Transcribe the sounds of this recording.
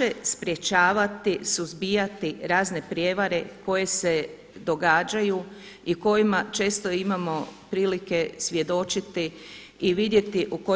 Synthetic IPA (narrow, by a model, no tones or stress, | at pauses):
espɾje̞t͡ʃaːʋat̪isuzbijat̪iɾaːzne̞pɾje̞ʋaɾe̞ko̞je̞se | d̪o̞ɡaːd͡ʒaju | iko̞jimat͡ʃe̞ːst̪o̞imamo̞pɾiːlike̞sʋʲje̞d̪o̞t͡ʃit̪iː | ʋid̪je̞t̪iʔuko